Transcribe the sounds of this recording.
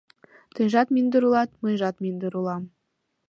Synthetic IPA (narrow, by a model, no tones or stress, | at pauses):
t̪ɯʒɑt̪mʲinʲd̪uɾulˠɑt̪̚mɤjʒɑt̪̚mʲinʲd̪uɾulˠɑm